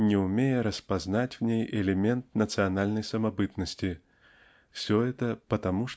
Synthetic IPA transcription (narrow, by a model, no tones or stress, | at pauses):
nʲɪʊmʲejəɾəspɐznatʲvnʲejɛlʲemʲɛnt̪̚nət̪sɨɐnalʲnəjsɐmɐbɨt̪nəsʲtʲi | fsʲɔɛt̪əpət̪ɐmuʂ